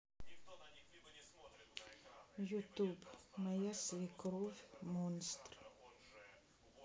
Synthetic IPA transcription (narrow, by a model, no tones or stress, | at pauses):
jut̪ubmajasvikɾuvmonst̪ɾ